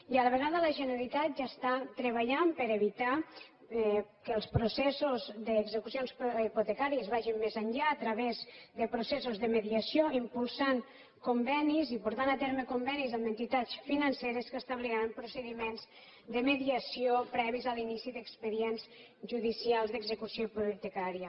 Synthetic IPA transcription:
iələβ̞əɣaðələʒənəɾalit̪at̪̚ʒast̪at̪ɾəβaʎampəɾeβit̪a | kəlˠspɾusɛsuzðəːɡzəkusionsiput̪ekaɾiəzβaʒimːezəɲʎaːt̪ɾəβezðəpɾusɛsuzðəməðiəsioimpulˠsaŋ | kumbɛnizipuɾt̪anat̪eɾməkumbɛnizəmənt̪it̪at͡sfinənseɾəskəst̪əβliɾampɾusəðimenz | d̪əməðiəsiopɾɛβizalinisiðəkspəðiɛnz | ʒuðisialˠzðəɡzəkusiopuit̪əkaɾijə

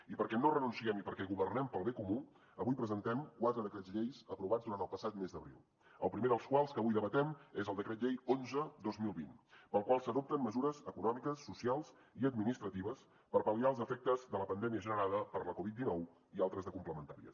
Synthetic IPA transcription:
ipəɾkɛnorənunsiɛmipəɾkɛɣuβərnɛmpəlˠβekumu | əβujpɾəzənt̪ɛmkwat̪ɾəðəkɾɛzʎejzəpɾuβad͡zðuɾant̪əlˠpəsat̪mezd̪əβɾḭlˠ | əlˠpɾimeðəlˠskwalˠskəβujðəβət̪ɛmezəlˠd̪əkɾɛt̪̬̚ʎejonzəd̪ozmilˠβinpəlˠkwalˠsəðop̚t̪əmməzuɾəzəkunɔmikəsːusialˠz | iəd̪̚minist̪ɾət̪iβəs | pəɾpəliaəlˠzəfɛk̚t̪əzðələpənd̪ɛmiəʒənəɾaðəpəɾləkɔβit̪̚d̪inɔw | ialˠt̪ɾəzðəkumpləmənt̪aɾiə̰

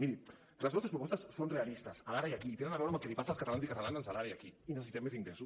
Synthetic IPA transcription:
miɾi | rlazβɔst̪espɾupɔst̪ɐsːonrealist̪asalaɾaijakiːt̪enenaβɛwɾamakelipasalskat̪alanzikat̪alanensalaɾaiakiinəsesit̪ɛmːesiŋɡlɛsu

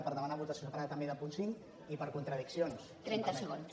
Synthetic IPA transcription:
pəɾðəmənaβut̪əsjosəpaɾaðət̪əmbeðəpunsiŋ | ipəɾkunt̪ɾəðiksionst̪ɾɛnt̪əsəɣons

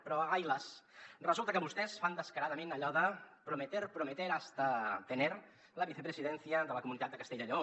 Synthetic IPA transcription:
pɾɔajləsrəzulˠt̪əkəβust̪ɛsfand̪əskəɾaðəmenəʎɔðəpɾumət̪eɾpɾumət̪eɾast̪ət̪əneɾ | ləβiθəpɾəziðɛnθiəðələkumunit̪at̪̚d̪əkəst̪eʎəʎo

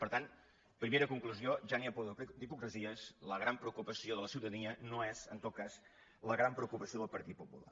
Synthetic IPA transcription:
pəɾt̪ant̪ | pɾimeɾəkuŋkluzioʒaniəpoðd̪ipukɾəziəsləɣ̞ɾampɾəukupəsioðələsiwt̪əniənoɛzənt̪ot̪̚kaz | ləɣɾampɾəukupəsijoðəlˠpəɾt̪it̪̚pupula̰

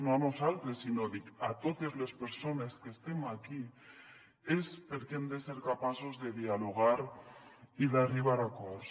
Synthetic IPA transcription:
noanosalt̪ɾesinoðikat̪ot̪ezlespeɾsoneskest̪emaki | espeɾkemd̪eseɾkapasozðeðialoɣ̞aɾ | iðariβ̞aɾakɔɾs

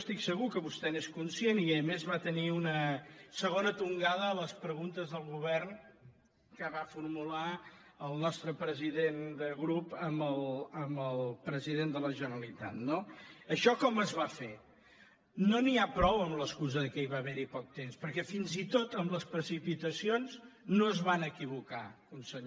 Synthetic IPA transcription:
st̪iksəɣukəβust̪ɛneskunsieniəmezβat̪əniunəsəɣonət̪uŋɡaðəːləspɾəɣunt̪əzðəlˠɣuβɛrn | kəβafurmula | əlˠnɔst̪ɾəpɾəziðend̪əɣɾupəmbəlˠəmbəlˠpɾəziðend̪ələʒənəlit̪a̰t̪noəʃɔkɔməzβafe | noniapɾɔwəmləskuzəðəkɛiβaβɛɾipɔk̚t̪emspəɾkɛfinzit̪ot̪əmləspɾəsipit̪əsionznoəzβanəkiβ̞ukakunsəɲ

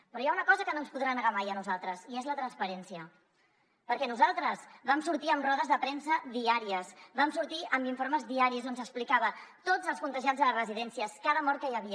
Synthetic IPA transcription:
pɾɔjaunəkɔzəkənonspuðɾanəɣamajənuzalˠt̪ɾəziezlət̪ɾənspəɾɛnsiə | pəɾkɛnuzalˠt̪ɾəzβamsuɾt̪iəmrɔðəzðəpɾɛnsəðiaɾiəsβamsuɾt̪iəmbiɱfoɾməzðiaɾizonzəksplikaβət̪od͡zəlˠskunt̪əʒiad͡zzðələrəziðɛnsiəskaðəmɔɾkəjəβi

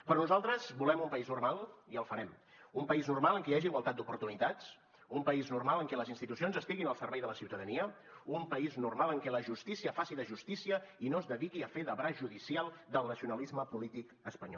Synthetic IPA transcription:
pɾɔnuzalˠt̪ɾəzbulɛmumpəiznurmalˠiəlˠfəɾɛmumpəiznurmaləŋkəjaʒiːɣwəlˠt̪at̪d̪upuɾt̪unit̪at͡s | umpəiznurmaləŋkɛləzinst̪it̪usionzəst̪iɣinəlˠsərβɛjðələsiwt̪əðəniə | umpəiznurmalˠəŋkɛləʒust̪isiəfasiðəʒust̪isiəinozðəðikiəfeðəβɾazʒuðisialˠd̪əlˠnəsiunəlizməpulit̪ik | əspəɲɔ̰

